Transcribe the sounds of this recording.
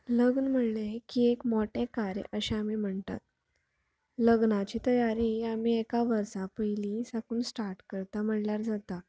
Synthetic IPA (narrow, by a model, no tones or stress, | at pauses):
ləɡnm̤əɽɳekiekmoʈẽkaɾj̰ʔəɕeamim̤əɳt̪a̰t̪̚ | ləɡnat͡ɕiːt̪əjaɾiamiekaʋəɾsãpəjlisəkuːnsʈaɾʈkəɾt̪am̤əɽljaɾd͡zat̪a